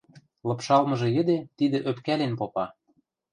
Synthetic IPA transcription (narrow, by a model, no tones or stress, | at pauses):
lɤ̆pʃɑlmɤ̆ʒɤ̆jə̆d̪et̪id̪ə̆ʔøpkælenpopɑ